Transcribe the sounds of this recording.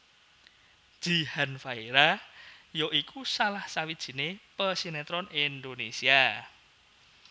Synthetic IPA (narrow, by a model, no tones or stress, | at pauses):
d̥ʒ̥i̤hanfaiɾajoʔikusalahsawid̥ʒ̥i̤nepəsinet̪ɾɔnind̪onesia